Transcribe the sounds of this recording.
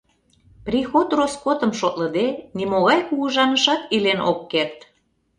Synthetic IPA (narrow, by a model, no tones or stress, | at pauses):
prʲixot̪roskot̪ə̆mʃot̪lə̆d̪enimoɣɑjkuɣɤʒɑnəʃɑt̪ilenʔo̰kːert̪